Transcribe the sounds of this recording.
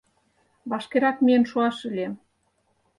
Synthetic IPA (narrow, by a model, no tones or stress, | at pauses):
βɑʃkeɾɑkmeənʃuɑʃə̆lʲem